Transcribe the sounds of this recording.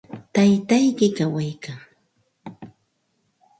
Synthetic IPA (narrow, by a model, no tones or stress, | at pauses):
t̪ajt̪ajkɪkawajkaː